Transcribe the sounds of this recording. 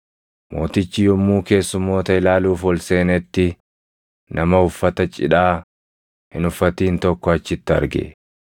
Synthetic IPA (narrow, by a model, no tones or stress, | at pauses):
mo̞ːt̪ɪt͡ʃːɪjɔmːuːke̞ːsːʊmːo̞ːt̪ɐɪlaːluːfɔlse̞ːnɛt̪ːɪ | nʔɐmɐʊfːɐt̪ɐt͡ʃʼɪᶑaː | hɪ̰nʊfːɐt̪iːnt̪ɔkːɔɐt͡ʃːɪt̪ːɐ̰ɾɡḛ